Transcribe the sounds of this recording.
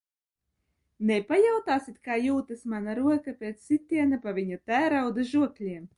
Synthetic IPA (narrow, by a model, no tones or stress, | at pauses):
nɛpajawt̪aːsit̪kaːjuːt̪ɨsmanaɾuɔkapʲeːt̪sʲsit̪ʲːiɛnapavʲiɲat̪æːɾawd̪ɨʒuɔklʲiɛm